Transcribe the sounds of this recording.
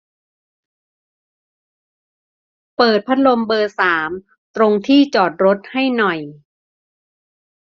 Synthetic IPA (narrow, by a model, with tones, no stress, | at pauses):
pɤː˨˩t̪̚pʰa˦˥t̪̚lo˧mbɤː˧saː˩˦m | t̪ɾo˧ŋt̪ʰiː˥˩t͡ɕɔː˨˩t̪̚ɾo˦˥t̪̚ha˥˩jnɔ˨˩j